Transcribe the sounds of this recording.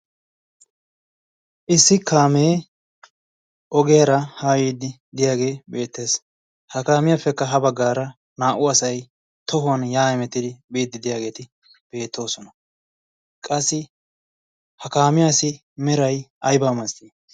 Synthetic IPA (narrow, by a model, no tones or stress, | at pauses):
ʔɪsːɪkʰaːmeː | ʔɔɡɛjɐɾɐhaːjiːd̪ɪ | d̪ɪjaːɡe̞ːbe̞ːt̪ːe̞ːs | hɐkaːmɪjafːɛkːɐɦɐbɐɡːaːɾɐ | naːʔʊɐsɐj | t̪ɔɦʊɐnjaːɛmɛt̪ːɪd̪ɪbiːd̪ɪd̪ɪjaːɡe̞ːt̪ɪ | b̥e̞ːt̪ːo̞ːsɔnɐ | kʼɐsːɪ | hɐkaːmɪjaːsɪ | mɛɾɐjʔɐjbaːmɐst̪iː